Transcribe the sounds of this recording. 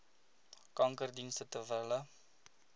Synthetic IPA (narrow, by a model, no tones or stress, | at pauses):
kɐŋkərdinst̪ətəvələ